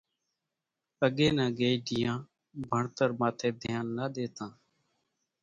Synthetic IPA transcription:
əɠeːnãːɡeːiːɖɪjãː | bʱəɳt̪əɾmãːt̪ʰeːd̪ʱɪjaːnːəːɗ̪eːt̪ãː

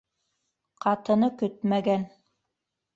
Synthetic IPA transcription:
qʰɑt̪ɤ̆nɤkɵt̪mæɡæn

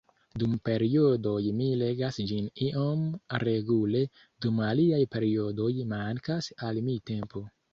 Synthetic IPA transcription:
dumpe̞ɾiodo̞jmile̞ɡasd͡ʒiniʔomɾe̞ɡule̞ | dumaliajpe̞ɾio̞do̞jmaŋkasalmite̞mpo̞

